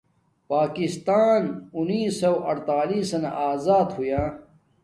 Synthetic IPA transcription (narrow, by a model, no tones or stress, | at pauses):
paːkist̪aːnuniːsɐwʔɐɽt̪aːliːsɐna̰ʔaːzaːd̪hujaː